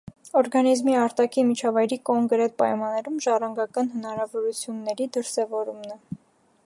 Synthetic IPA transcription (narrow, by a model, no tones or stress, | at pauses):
ɔɾɡɑnizmiɑɾt̪ɑkʰimit͡ʃʰɑvɑjɾikɔŋkɾɛt̪̚pɑ̰jmɑnːɛɾumʒɑrɑŋɡɑkɑnɦənɑɾɑvɔɾut͡sʰjunːɛɾid̪əɾsɛvɔɾumnɛ